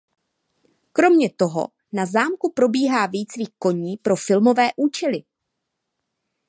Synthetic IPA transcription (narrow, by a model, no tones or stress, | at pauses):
kɾo̞mɲɛt̪o̞ɦo̞̰ | nazaːmkupɾo̞biːɦaːviːt͡sviːxko̞ɲiːpɾo̞fɪlmo̞vɛːʔuːt͡ʃɛlɪ